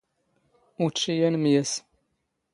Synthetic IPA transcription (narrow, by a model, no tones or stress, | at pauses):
ʊɾt͡ʃːijænmjæs